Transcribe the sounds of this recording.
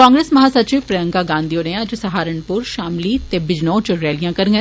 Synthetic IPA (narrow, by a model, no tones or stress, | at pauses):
kãːŋɡɾeːsmɐɦaːsɐt͡ʃiːʋpɾɐjə̃ŋɡaːɡãːnd̪ijoːnẽd͡ʒsɐɦaːɾəɳpʊɾʃaːmliːt̪eːbɪd͡ʒnõːt͡ʃʊɾɛːlijãːkɐɾŋɡe